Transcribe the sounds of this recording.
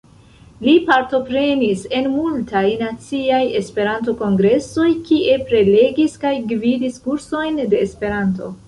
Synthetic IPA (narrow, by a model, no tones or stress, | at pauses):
lipaɾto̞pɾe̞nise̞nmultajnat͡siaje̞spe̞ɾant̬o̞ko̞ŋɡɾe̞so̞jkiʔe̞pɾe̞le̞ɡiskajɡvidiskuɾso̞jnde̞ːspe̞ɾanto̞̰